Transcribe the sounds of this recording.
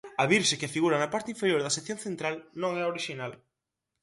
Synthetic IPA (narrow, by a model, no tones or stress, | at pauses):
ɐβiɾʃekɪfiɣuɾɐnɐpaɾt̪ɪiɱfeɾjoɾðɐseθjoŋθent̪ɾalnõŋɛoɾiʃinal